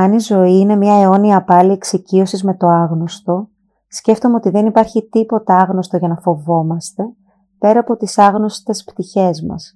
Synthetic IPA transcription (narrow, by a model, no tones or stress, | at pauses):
ɐnizo̞iine̞mɲɐeo̞niɐːpɐlieksicio̞sizme̞t̪o̞ɐɣno̞st̪o̞ | sce̞ft̪o̞me̞o̞t̪iðe̞nipɐɾçit̪ipo̞t̪ɐɐɣno̞st̪oʝɐnɐfo̞vo̞mɐst̪e̞ | pe̞ɾɐːpo̞t̪isɐɣno̞st̪e̞spt̪içe̞zmɐ̰s